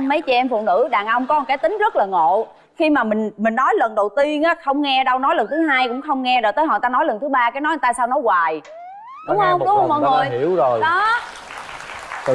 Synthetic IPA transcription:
mə˨˦jt͡ɕi˨˩ʔɛ˧mfṵ˧˨nɨ̰˧˥ɗaː˨˩ŋʔə˧wŋ͡mkɔ˨˦˨ka˨˦jt̪ï˨˦ŋ̟zə˦˥t̚laː˨˩ŋo̰˧˨ | xi˧maː˨˩mï˨˩ŋ̟mï˨˩ŋnɔ˨˦jlə˨˩nɗə˨˩wt̪i˧ənʔaː˨˦xə˧wŋ͡mŋɛ˧ɗə˧wnɔ˨˦jlə˨˩nt̪ʰɨ˨˦ɦaː˧jkʊ̰˧˥ŋ͡mxə˧wŋ͡mŋɛ˧zo˨˩t̪əː˨˦jɦɔ̰˨˩t̪aː˧nɔ˨˦jlə˨˩nt̪ɨ˨˦ɓaː˧kaː˨˦jnɔ˨˦jt̪aː˧˩saː˧wnɔ˨˦jɣwaː˨˩j | ɗʊ˨˦˥ŋ͡mhə˧wŋ͡mɗʊ˨˦hə˧˦ɔ̰˧˨˩ŋə˨˩əjḭ˧˩˨əwzo˨˩jɗɔ˨˦˧

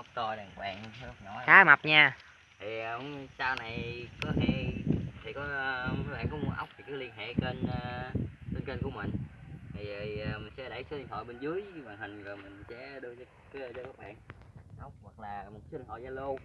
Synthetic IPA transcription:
ʔa˦˥wk͡p̚t̪ɔ˧ɗaː˨˩ŋkwa̰ː˧˨ŋ˧˦zʊ˦˥k͡p̚ɲɔ˨˦xaː˨˦ma˨˩p̚ɲaː˧ | t̪ʰi˨˩ə˨˧saː˧wna˨˩jkɔ˨˦hɛ˧t̪ʰi˨˩kɔ˨˦˧ɓa̰ː˧˨ŋkɔ˨˦mu˨˦ənʔa˦˥wk͡p̚vi˨˩kaː˨˦li˧ənɦḛ˧˨ke˧n˧te˧nke˧nku˧˩əmï˨˩ŋ̟t̪ʰi˨˩zmï̟˨˩sɛ̰˧˥ɗə˧˩jsi˧ŋt̪ɔ̰˧˨jɓe˧nzɨ˨˦əjvwaː˨˩ŋhï˨˩ŋ̟vəː˨˩mï˨˩ŋ̟sɛ̰˧˥ɗɨ˧əz | kːzəː˧˦jka˦˥k͡p̚ɓa̰ː˧˨ŋʔa˦wk͡p̚hwa˨˩k̚laː˨˩mo˨˩t̚kːa˨˦i˧ŋhɔ̰˧˨zaː˧lo˧

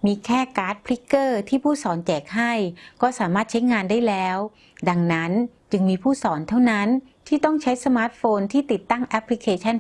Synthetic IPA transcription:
miː˧kʰɛː˥˩kaː˦˥t̪̚pʰli˦˥kːɤː˥˩t̪ʰiː˥˩pʰuː˥˩sɔː˩˦nt͡ɕɛː˨˩k̚ɦa˥˩jkɔː˥˩saː˩˦maː˥˩t̪̚t͡ɕʰa˦˥jŋaː˧ndaː˥˩jlɛː˦˥w | da˧ŋna˦˥nt͡ɕɯ˧ŋmiː˧pʰuː˥˩sɔː˩˦nt̪ʰa˥˩wna˦˥n | t̪ʰiː˥˩t̪ɔ˥˩ŋt͡ɕʰa˦˥jsa˧maː˦˥t̪̚foː˧nt̪ʰiː˥˩t̪i˨˩t̪ːa˥˩ŋʔɛ˦˥pʰli˦˥kʰeː˧t͡ɕʰa˥˩n

